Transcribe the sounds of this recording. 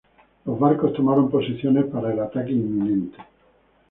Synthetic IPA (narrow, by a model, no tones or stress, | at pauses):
lozbaɾkost̪omaɾomposiθjonepaɾaelat̪akeimːinent̪e̥